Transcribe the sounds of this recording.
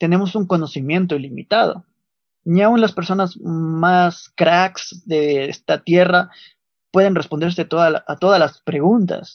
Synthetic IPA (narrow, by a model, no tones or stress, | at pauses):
t̪e̞ne̞mo̞suŋko̞no̞simje̞nt̪oilimḭt̪að̞o̞̰ | niaunlaspe̞ɾso̞nazmaskɾaksðeest̪at̪je̞ra | pwe̞ð̞e̞nre̞spo̞nd̪e̞ɾset̪o̞ðalat̪o̞ðalaspɾe̞ɣunt̪a̰s